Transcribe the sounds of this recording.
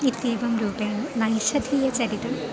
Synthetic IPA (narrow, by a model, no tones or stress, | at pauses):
it̪ːiːbɐmɾuːpejmnɐjʃɐd̪ʱiːjɐt͡ɕɐɾit̪ːum